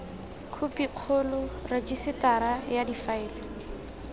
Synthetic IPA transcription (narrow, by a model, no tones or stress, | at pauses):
kʰupiq͡χʰʊlʊrad͡ʒisɪtaɾajadifaɪːlɪ